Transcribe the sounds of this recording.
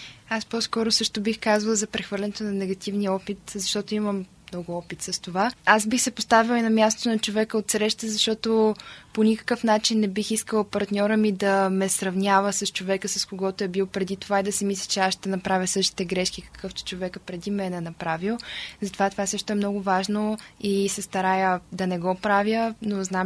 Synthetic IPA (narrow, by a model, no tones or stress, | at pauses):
aspɔskɔɾosɤʃt̪obixkazvəlˠzɐpɾɛxvɤɾlʲɛnɛt̪onɐnɛɡɐt̪ivnijəɔpit̪zɐʃt̪ɔt̪oiməmmnɔɡʊɔpit̪sɐst̪ovaasbixsɛpost̪avilˠinɐmʲjast̪ot̪onɐt͡ʃovɛkəot̪sɾɛʃt̪əzɐʃt̪ɔt̪oponʲikə̥kɤfn̪at͡ʃinːɛbixiskəlˠpɐɾt̪nʲɔɾəmid̪ɐmɛsɾɐvnʲavəsɐst͡ʃovɛkəsɐskoɡɔt̪oɛbilˠpɾɛd̪it̪ovaid̪ɐsɛmislʲət͡ʃɛasʃt̪ɛnɐpɾavʲəsɤʃt̪i̥t̪ɛɡɾɛʃkikə̥kɤft̪ʊ̥t͡ʃovɛkəpɾɛd̪imɛnɛnɐpɾavilˠzɐt̪ovat̪ovasɤʃt̪oɛmnɔɡʊvaʒnoisɛst̪ɐɾajəd̪ɐnɛɡɔpɾavʲjənoznam